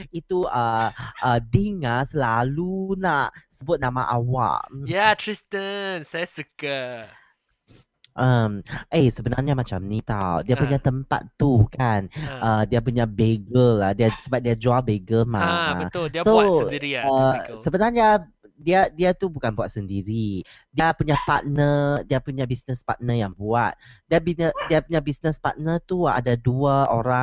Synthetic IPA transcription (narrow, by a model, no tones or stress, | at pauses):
it̪uəʔədiŋahsəlalunaʔsəbʊt̪̚nãma̰ʔa̰wa̰ʔjat̪ɾist̪ənsajasəkə | ʔəmʔesəbənarɲamat͡ʃamnit̪awdiapuɲat̪əmpa̰t̪ːukanədiapuɲabeɡəlahdiasəbap̚diad͡ʒualbeɡəmaəso | əsəbənarɲa | diadiat̪ubukanbuat̪̚səndiɾi | diapuɲapa̰t̪̚nədiapuɲabisnəspa̰t̪̚nəjaŋbuat̪̚diabiɲədiapuɲabisnəspa̰t̪̚nət̪ua̰daduaoɾa